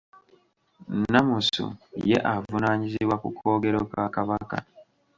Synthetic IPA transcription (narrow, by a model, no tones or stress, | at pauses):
namusṵje̞̰ʔavunaːɲiziβwakukʰo̞ːɡe̞ɾokakaβaka̰